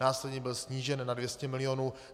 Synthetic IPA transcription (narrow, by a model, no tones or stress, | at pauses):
aːslɛdɲɛbɪlsɲiːʒɛnːadvjɛscɛmɪlɪjonuː